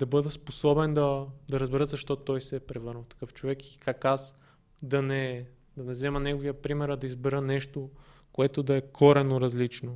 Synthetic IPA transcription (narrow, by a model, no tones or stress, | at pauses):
d̪̥ɐbɤd̪ɛsposɔbɛnd̪ɐd̪ɐɾɐzbɛɾət̪zɐʃt̪ɔt̪ɔjsɛpɾɛvɤɾnəft̪ɐ̥kɤft͡ʃovɛki̥kakas | d̪ɐnɛ | d̪ɐnɛzɛmɐnɛɡovijəpɾimɛɾɐd̪ɐizbɛɾənɛʃt̪o | koɛt̪od̪ɐɛkʰɔɾɛnoɾɐzlit͡ʃno